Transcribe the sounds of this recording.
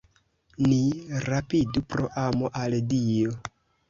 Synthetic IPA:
niɾapidupɾo̞ʔamoʔaldijo̞

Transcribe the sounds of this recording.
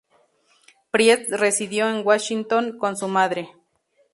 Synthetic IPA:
pɾjet͡sresiðjoenwaʃint̪oŋkonsumaðɾe

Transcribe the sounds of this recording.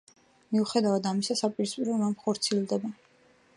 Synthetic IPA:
miuχɛd̪avad̪amisasapʼiɾispʼiɾɔmamχɔɾt̪sʰilˠd̪ɛba

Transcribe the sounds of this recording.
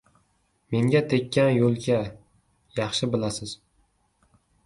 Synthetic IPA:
me̞ŋɡʲat̪ʰe̞kʲːanjolˠkʲa | jɑχʃɪbɪlasɪz̥

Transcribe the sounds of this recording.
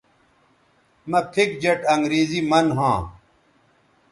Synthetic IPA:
mɐpʰik̚d͡ʑɐʈɐŋɡɾeːzimɐnɦãː

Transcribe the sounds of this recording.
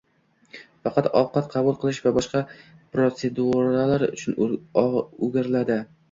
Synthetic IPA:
fɑqʰɑt̪ɒ̰wqɑt̪qʰɑbʊlˠqʰɨlˠɪʃvabɒʃqɑpɾot̪sed̪uɾalaɾʊ̰t͡ʃʰʊn | ʊɡʲaɾlad̪ɪ

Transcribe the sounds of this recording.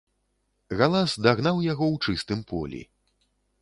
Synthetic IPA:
ɣalˠazd̪aɣnawjaɣɔwt͡ʂɨst̪ɨmpɔ̰lʲḭ

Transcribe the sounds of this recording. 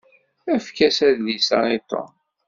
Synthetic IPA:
æfkæsæðlisɑ̰it̪ːo̰n

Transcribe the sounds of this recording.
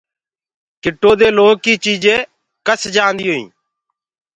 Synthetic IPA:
kɪʈːoːd̪eːloːkiːt͡ʃiːd͡ʒẽː | kəsd͡ʒaːnd̪iːɦoːḭ̃ː

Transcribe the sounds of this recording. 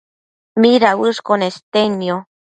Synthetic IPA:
miɾawɨʂkonest̪enjo

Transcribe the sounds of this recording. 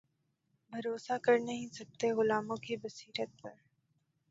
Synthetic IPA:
bʱɐɾoːsakɐɾnɐɦĩsɐk̚t̪eɣʊlaːmõkibɐsiːɾət̪̚pɐɾ

